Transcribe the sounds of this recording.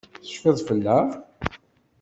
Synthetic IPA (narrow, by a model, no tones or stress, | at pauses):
θə̥ʃfɪðˤfəlːæ